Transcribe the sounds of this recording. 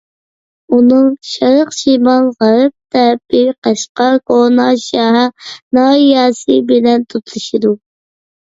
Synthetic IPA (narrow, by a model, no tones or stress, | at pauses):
unɨŋʃɾəqʃimɑnʁɑɾɨp̚t̪ʰɛpɪqɑʃqɑkʰonɑʃɑɦænɑːijɑsɨbɪlɛnt̪ʰut̪ʰulˠɨʃid̪u